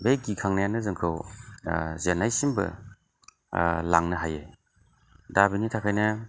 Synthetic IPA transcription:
beɡikʰaŋnajanɐzɯŋkʰɯw | zenːajsimbɐ̰ | laŋnɐɦaje | dabinitʰakʰajnɐ

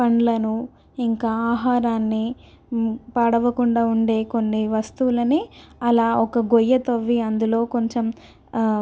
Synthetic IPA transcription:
pɐɳlɐnu | iŋkaːaːɦaːɾaːnːi | pɐɽɐʋɐkuɳɖaːuɳɖe̞ːko̞nːiʋɐst̪uʋulɐniɐlaːɔkɐɡojːɐt̪oʋːiɐnd̪ulo̞ːko̞ɲt͡ʃem

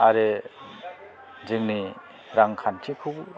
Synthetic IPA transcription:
aɾɯ | d͡ʒɯŋni | ɾaŋkʰantʰikʰuk

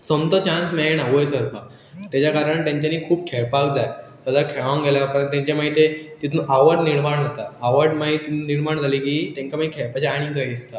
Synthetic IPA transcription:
sɔmt̪ɔt͡ɕãnsmeenaʋojsəɾka | t̪jat͡ɕjakaɾəɳt̪ãɲt͡ɕaniːkʰuːp̚kʰeɭpakd͡zaj | səd̪akʰɛʋãŋɡʱeljaapəɾənt̪jãɲt͡ɕamait̪et̪it̪ʰnuʔaʋəɖniɭmaɳɦat̪aːʋəɾɖmait̪ːit̪nuniɽmaɳd͡zʱalikiːt̪jãŋkamaikʰɛɭpat͡ɕaaɽ̃ĩkaiist̪a

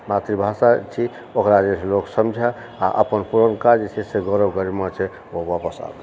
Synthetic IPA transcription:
mat̪ɾibʱasat͡ʃʰi | okɾad͡ʒet͡ʃʰloksəmd͡ʒʱɛ | a̰ʔə̰pənpuɾənkad͡ʒt͡ʃʰɛseɡəɾəbɡəɾimat͡ʃʰɛ | obapəsa̰b̪

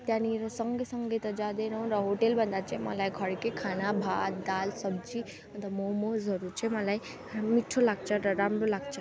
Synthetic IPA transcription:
t̪janiɾɐsəŋɡesəŋɡet̪ɐd͡ʒad̪enɔũɾəɦoʈelbənd̪at͡ʃʰema̰laiɡʱəɽkekʰaːnabʱadd̪aːlsəb̚d͡ʒi | ənt̪əmomozəɾuɾt͡ʃʰemãlaːi | miʈʰːolaɡ̚t͡ʃʰəɾəɾaːmɾolaɡ̚ʱt͡ʃʰa

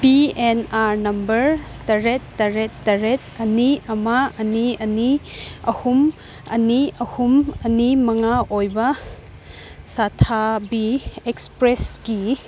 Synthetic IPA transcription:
bienaɾnɐmbɐɾtɐɾetːɐɾetːɐɾet̚ɐniɐmaɐniɐniɐhum | ɐniɐhumɐnimɐŋaʔojbɐ | satʰabiekspɾesɡi

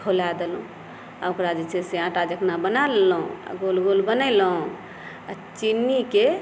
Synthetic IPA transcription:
kʰolad̪elũ | aokɾad͡ʒet͡ʃʰeseãʈad͡ʒəkʰnabənalːɦṵ̃a̰ɡolɡolbənəlũ | at͡ʃinːike

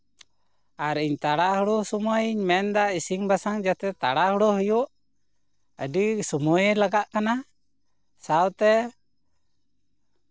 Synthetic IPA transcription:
aɾiɲt̪aɽaɦuɽɔsɔmɔjiɲmɛnd̪aisiŋbasaŋd͡ʒat̪ɛt̪a̰ɽahuɽɔɦujuʔ | əɖisɔmujɛlaɡaʔkana | sawt̪ɛ

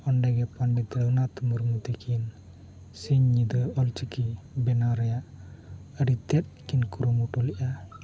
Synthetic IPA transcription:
ɔnɖaɡɛpanɖit̪ɾanat̪umuɾmut̪ikʰin | siɲːid̪ɯɔlt͡ʃikibɛnaɾajaʔəɾit̪ɛt̪̚kinkuɾumuʈɔliʔa

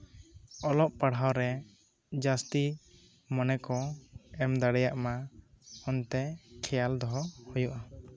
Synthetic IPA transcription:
ɔlɔʔ̚paɽ̤awɾɛ | d͡ʒast̪i | mɔnɛkɔɛmd̪aɽɛjaʔma | ɔnt̪ɛkʰɛjald̪ɔɦɔhujuʔa

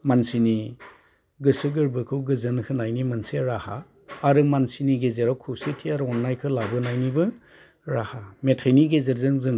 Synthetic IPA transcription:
mansini | ɡɯsɯɡɯɾbɯkʰɯwɡɯzɯnkʰɯnajnimansiɾaha̰ː | ɾɯmansiniɡezeɾawkʰusetʰiaɾɔnːajkʰɯlabɯnajnibɯ | ɾahametʰajniɡezeɾzɯŋzɯŋ

